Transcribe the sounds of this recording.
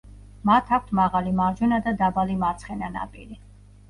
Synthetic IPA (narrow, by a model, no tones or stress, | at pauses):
mat̪ʰak̚ʰʷt̪ʰmaʁalimaɾd͡ʒunad̪ad̪abalimaɾt̪sʰχɛnana̰pʼḭɾi